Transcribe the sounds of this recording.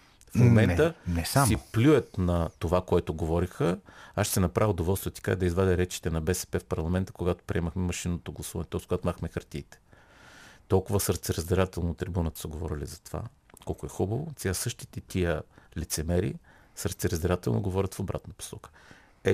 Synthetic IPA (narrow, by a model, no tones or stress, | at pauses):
fmomɛnt̪ənɛsasiplʲuɛt̪nɐt̪ovakoɛt̪oɡovɔɾixəaʃsɛnɐpɾavʲod̪ovɔlˠst̪vət̪i̥kaɛd̪ɐizvad̪ɛɾɛt͡ʃi̥t̪ɛnɐbɛsɛ̥pɛfpɐɾlˠɐmɛnt̪ə̥koɡat̪o̥pɾʲiɛməxmɛmɐʃinːot̪oɡlˠɐsuvɐnɛt̪ɔskoɡat̪maxmɛxɐɾt̪iːt̪ɛ̥ | t̪ɔlˠkʊvəsəɾt̪sɛɾəzd̪ɛɾat̪ɛlˠnot̪ːɾibunət̪ə̥səɡovɔ̰ɾilizɐt̪ova̰ | kɔlˠkoɛxubəvot̪ʲasɤʃt̪i̥t̪ɛt̪iəlit̪sɛmɛɾḭ | səɾt̪sɛɾəzd̪ɛɾat̪ɛlˠno̰ɡovɔɾʲət̪fobɾa̰t̪nɐpo̥sɔkə̥ | ɛ